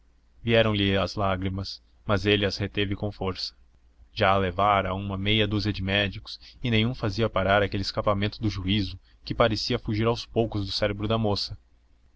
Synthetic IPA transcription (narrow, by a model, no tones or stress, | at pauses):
viɛɾɐ̃w̃lɪɐzlaɡɾimɐs | mɐzelɪɐshet̪evɪkõfoɾsɐ̥ | ʒ̥aːlevaɾɐũmɐmejɐd̪uzɐd͡ʒɪmɛd͡ʒikʊ̥sɪnẽj̃ũfaziɐpaɾaɾakelɪskapamẽnt̪ʊd̪ʊʒuizʊ | kɪpaɾesiɐfuʒiɾawspowkʊzd̪ʊsɛɾebɾʊd̪ɐmosɐ